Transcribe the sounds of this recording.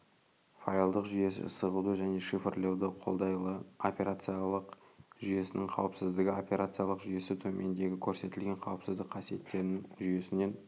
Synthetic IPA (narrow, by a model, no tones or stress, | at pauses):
fajlˠd̪əqʒʏje̞sɪ̰səʁud̪əʒæne̞ʃifrlewd̪əqʰo̞̰lˠd̪ɑjlˠəopʲe̞ɾat̪sijalˠəqʒʏje̞sɪnɪŋqʰɑ̰wəpsɪzd̪ɪɡʲɪo̞pʲe̞ɾʔat̪sɨjalˠəqʒʏje̞sɪt̪ʰɵmʔe̞nd̪e̞ɡʲɪkʲʰɵɾse̞t̪ɪlɡʲe̞ɴqʰɑwəpsɪzd̪ɪk̚qːʰɑsije̞̰t̪ːe̞ɾɪnɪʒʏje̞sɪne̞n